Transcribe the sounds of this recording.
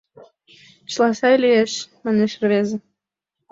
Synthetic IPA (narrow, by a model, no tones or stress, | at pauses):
t͡ɕlˠɑsɑjlijeʃmɑneʃrβezĕ